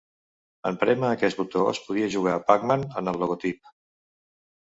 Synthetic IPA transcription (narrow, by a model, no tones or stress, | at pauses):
əmpɾɛməːkɛsbut̪oə̰spuð̞iəʒuɣ̞aːpakmanənəlˠːuɣot̪ip̚